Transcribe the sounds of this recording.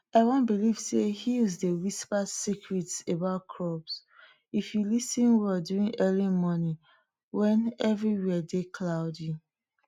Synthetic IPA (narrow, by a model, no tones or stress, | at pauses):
aɪwɔ̃nbiliv̥sehijɔzdewispasikʰɹitsebaʊt̚kʰɹɔbs | ifjulisĩnwɛldjuɹĩŋʔɛlimɔni | wɛ̃nɛvɹiwɛdekʰlaʊdi